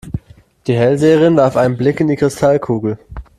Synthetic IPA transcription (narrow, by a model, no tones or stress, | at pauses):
d̥iːɦɛlzeːəʁɪnvaɐfʔaɪnənblɪkɪndiːkʁ̥ɪstʰalkʰuːɡl̩